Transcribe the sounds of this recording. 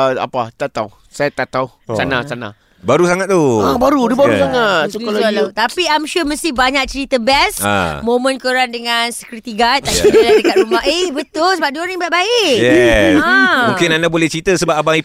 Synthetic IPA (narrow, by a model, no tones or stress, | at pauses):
əa̰pat̪at̪aw | sajat̪at̪aw | sanasana̰ | baɾusaŋat̪̚t̪uabaɾudəbausaŋat̪slt̪apiajmʃuməst̪ɪhbaɲak̚t͡ʃəɾit̪əbɛsa̰mõmə̃nkəɾandəŋansəkɾit̪iɡat̪ːadaladəkat̪ɾumaɦehbət̪ʊlsəbap̚dionibaʔ̚baɪjɛ | mũkɪnandabolɛht͡ʃɾit̪əsəbap̚abaŋi